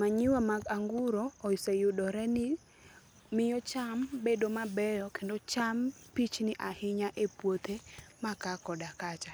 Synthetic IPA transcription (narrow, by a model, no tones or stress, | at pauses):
maɲɪwamaɡaŋɡʊɾoːisejʊdɔɾɛnɪ | mɪjɔt͡ʃambedomabɛjɔkendot͡ʃampit͡ʃnɪʔahɪɲaʔepwot̪ʰemakakɔdakat͡ʃa